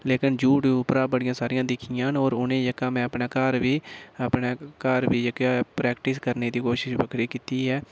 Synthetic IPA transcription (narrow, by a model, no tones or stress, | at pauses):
leːkənd͡ʒuːʈːʊpɾaːbəɽɪjãːsaːɾɪjãːd̪ɪkʰɪjãːnoːɾʊnẽːd͡ʒəkaːmɛ̃ːəpɳaːkəɾʋiːəpneːkəɾʋiːd͡ʒəkaːpɾɛːkʈɪskəɾneːd̪iːkoːʃɪʃbəkʰɾiːkiːt̪iːɦɛː